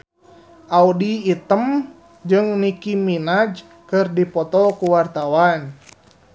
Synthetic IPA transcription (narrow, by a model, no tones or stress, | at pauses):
ʔaudiːt̪əm | d͡ʒɨŋnikiminad͡ʒ | kɨrdipɔt̪ɔkuwart̪awan